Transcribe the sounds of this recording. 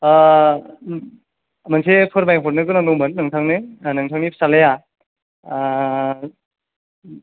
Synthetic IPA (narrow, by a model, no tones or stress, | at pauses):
mansepʰɯɾmajpʰɔɾnɯkɯnaŋnɯwmɯnːɯŋtʰaŋnɯnɯŋtʰaŋnipʰsaleja